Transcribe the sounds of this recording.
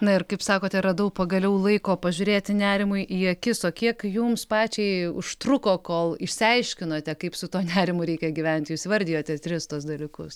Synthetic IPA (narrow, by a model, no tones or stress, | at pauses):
nɐɪrkɐɪpsɑːkoːt̪ʲɛɾɐd̪ɐʊpɐɡɐlʲɛʊlˠɐɪkoːpɐʒʲʊɾʲeːt̪ʲɪnʲæːɾʲɪmʊjʔiɐkʲɪsoːkʲiɛkjumspɑːt͡ʃʲɛɪʊʃt̪ɾʊkoːkoːlˠɪʃʲsʲɪɐɪʃʲkʲɪnoːt̪ʲɛkɐɪpsʊt̪oːnʲæːɾʲɪmʊɾʲɛɪkʲɛɡʲɪʋʲɛnʲt̪ʲjuːsʲʋɐrʲd̪ʲɪjoːt̪ʲɛt̪ʲɾʲɪst̪uɔsd̪ɐlʲɪkʊs